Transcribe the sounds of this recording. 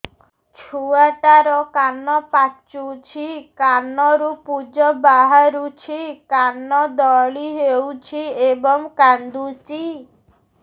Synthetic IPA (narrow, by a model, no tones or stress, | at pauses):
t͡ʃʰuaʈaɾɔkanɔpat͡ʃut͡ʃʰikanɔɾupud͡ʒɔbaɦaɾut͡ʃʰikanɔd̪ɔɭiɦewt͡ʃʰiebɔŋkand̪ut͡ʃi